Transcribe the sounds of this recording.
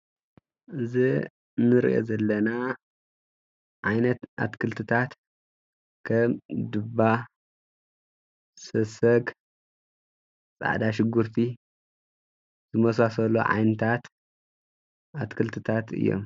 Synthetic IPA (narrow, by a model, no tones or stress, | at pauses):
ʔɨzi | nɨɾḭʔo̰zɐlːɐna | ʕajnɐt̪ʔa̰t̪kʰɨlt̪ʰɨt̪ʰat̪ | kʰɐmd̪ɨba | sɐsɐɡ | t͡sʼa̰ʕd̪aʃɪɡuɾt̪ʰi | z̥ɨmɐsasɐlo̰ʕa̰jnɨt̪ʰat̪ | ʔat̪kʰɨlt̪ʰɨt̪ʰat̪ɨ̰jːo̰m